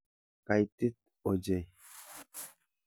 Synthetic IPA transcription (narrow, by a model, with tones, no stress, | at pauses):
ka˨jt̪ːi˦t̪̚ | ɔ˨d͡ʒe˦˨